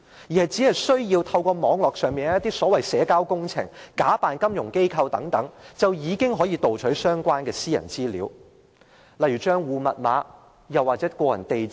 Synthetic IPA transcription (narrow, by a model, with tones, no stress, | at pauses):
jiː˨˩ɐ˨jt͡si˨˥hɐ˨jsɵ˥ɥjiː˧wt̪ʰɐ˧wkɔː˧mɔː˨˥ŋlɔː˨k̚sœː˨ŋmiː˨nhjɐ˥t̪i˥sɔː˨˥wɐ˨jsɛː˨˥kaː˥wkʊ˥ŋt͡sʰɪ̰˨˩ŋkaː˨˥paː˨nkɐ˥mjʊ˨˩ŋke˥jkʰɐ˧wt̪ɐ˨˥ŋt̪ɐ˨˥ŋt͡sɐ˨wjiː˨˧kɪ˥ŋɦɔː˨˥jiː˨˧t̪o˨wt͡ʃʰɵ˨˥sœː˥ŋkʷaː˥nkɛː˧siː˥jɐ̰˨˩nt͡siː˥liː˨˥w | lɐ˨jyː˨˩t͡ʃœː˥ŋwuː˨mɐ̰˨t̚ma̰ː˨˥ | jɐ˨wːaː˨˩t͡sɛː˨˥kʷɔː˧jɐ̰˨˩nt̪e˨j